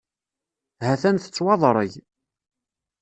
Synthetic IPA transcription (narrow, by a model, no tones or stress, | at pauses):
hæθænθə̥t͡sːwɑðˤɾˤəʝ